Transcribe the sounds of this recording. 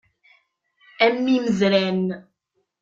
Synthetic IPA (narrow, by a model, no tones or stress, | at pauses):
æmːiməðlæn